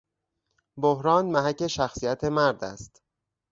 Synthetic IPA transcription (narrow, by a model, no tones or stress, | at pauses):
bohɾɒːnmæɦæcːe̞ʃæxsijæt̪ʰe̞mæɾd̪æ̰st̪